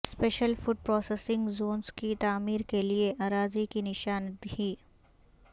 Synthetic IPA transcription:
speːʃəlfʊɖ̚pɾɔːsesɪ̃ŋɡzoːnzkit̪aːmiːɾkelieʔaːɾaːzikinɪʃaːnt̪iː

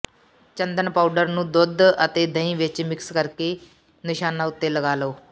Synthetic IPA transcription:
t͡ʃɐnd̪ənpawɖəɾnũd̪od̪ʱɐt̪ed̪ʱɐĩʋɪt͡ʃːmɪkskɐɾke | nɪʃaːnaːʊt̪ːeːlɐɡaːloː

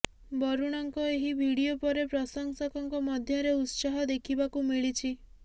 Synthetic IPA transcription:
bɔɾuɽ̃ɔŋkɔeɦibʱiɽiopɔɾepɾɔsɔŋsakɔŋkɔmɔd̪ʱjɔɾeut̪saɦɔd̪ekʰibakumiɭit͡ʃʰi

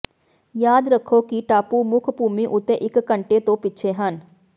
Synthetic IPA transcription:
jaːd̪ɾəkʰːokiʈaːpumʊkʰbuːmiʔʊt̪eʔɪkːə̃ɳʈet̪õpit͡ʃʰeɦən

